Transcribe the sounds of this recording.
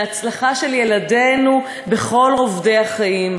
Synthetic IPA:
at͡slaχaʃelje̞lade̞nu | be̞χo̞lovde̞jaχaim

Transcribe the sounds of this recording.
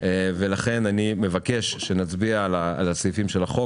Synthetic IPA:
velaχe̞nanimevake̞ʃʃe̞nat͡sbialaːlat͡sifimʃelaχo

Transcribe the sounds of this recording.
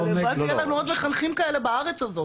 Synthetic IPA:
evaɡalanuod̪meχanχimkaele̞baaʁet͡sazo̞

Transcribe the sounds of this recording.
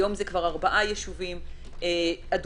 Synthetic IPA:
jo̞mzekvaʁaʁbaʔajeʃuvim | ead

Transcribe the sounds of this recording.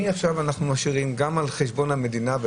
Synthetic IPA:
iafʃavanaχnumaʃiʁimɡamalχeʃbo̞nhame̞dinave

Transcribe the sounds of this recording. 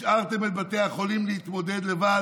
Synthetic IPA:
ʃaʁt̪emet̪bat̪eaχo̞limlehit̪mo̞d̪ed̪levad

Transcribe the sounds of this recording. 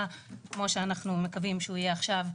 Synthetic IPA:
kmo̞ʃeanaχnume̞kavimʃeuijeaχʃav

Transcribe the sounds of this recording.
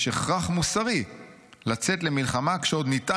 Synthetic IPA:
ʃeχʁaχmusaʁi | lat͡setle̞milχamakʃeo̞d̪nita

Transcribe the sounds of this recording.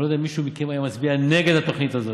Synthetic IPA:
od̪eamiʃumikemajamasbianeɡed̪at̪o̞χnit̪azo̞

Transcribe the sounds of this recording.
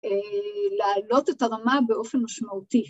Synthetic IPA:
eleaːlo̞te̞taʁamabe̞ʔo̞fe̞nmaʃmauti

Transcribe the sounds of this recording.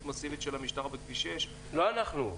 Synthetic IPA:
t̪mot͡sivit̪ʃelamiʃt̪aʁbekviʃeʃ | loanaχnu

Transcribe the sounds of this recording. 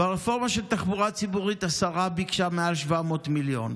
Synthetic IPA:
beʁefo̞ʁmaʃelt̪aχbuʁat͡sibuʁit̪asaʁabikʃamealʃvamo̞ːtmiljo̞̰n

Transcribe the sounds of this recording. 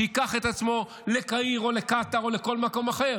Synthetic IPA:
ikaχet̪at͡smo̞ | lekaiʁo̞lekat̪ao̞leko̞lmako̞maχe̞ʁ

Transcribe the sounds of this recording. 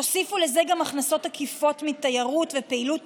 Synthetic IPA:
osifulezeɡamaχnaso̞thakifo̞tmitajaʁutvepe̞ilut

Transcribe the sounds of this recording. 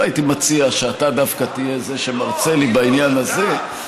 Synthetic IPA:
ait̪imat͡siaʃeatadafkat̪ije̞ze̞ʃe̞maʁt͡se̞libainjanaze̞

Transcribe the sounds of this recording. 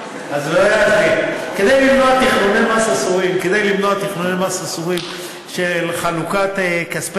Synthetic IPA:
azoajafviked̪ejlimnoat̪iχnunemasasuʁimked̪ejlimnoat̪iχnunemasasuʁim | ʃelχalukat̪ekaspe

